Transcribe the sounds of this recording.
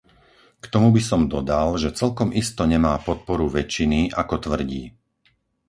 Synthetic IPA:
kt̪ɔmubisɔmd̪ɔd̪alʒɛt͡sɛlkɔmʔist̪ɔɲɛmaːpɔt̪̚pɔɾuʋɛt͡ʃinia̰kɔt̪ʋr̩ɟḭː

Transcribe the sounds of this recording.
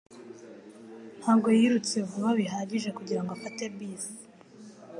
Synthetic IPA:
n̥haːɡo̞jiːɾut͡sevuβaβiɦaːɟiʒe̞kuɟiɾaŋɡoafatebiza

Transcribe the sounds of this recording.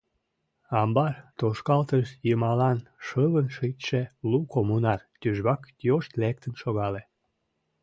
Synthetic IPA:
ɑmbɑrt̪oʃkɑlt̪əʃjəmɑlɑnʃəβənʃit̪ʲʃelukomunɑrt̪yʒβɑkt̪joʃt̪lek̚t̪ənʃoɣɑle

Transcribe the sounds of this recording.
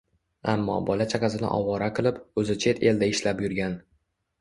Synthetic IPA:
a̰mːɒ̰bɒlat͡ʃʰaqɑzɪnɪ̰ʔɒ̰wɒɾaqʰɨlˠɪpɵzɪt͡ʃʰe̞t̪ʰe̞ld̪aɪʃlapjʊɾɡʲan

